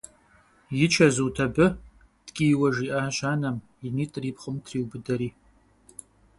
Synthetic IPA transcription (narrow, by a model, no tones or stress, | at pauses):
jɪt͡ʃʰɐzuːtʰɐbɨ | d̥kʲʼijwɐʒiʔaːʒaːnɐm | iniːtʼriːpχəmtʰriːwbɨdɐɾiː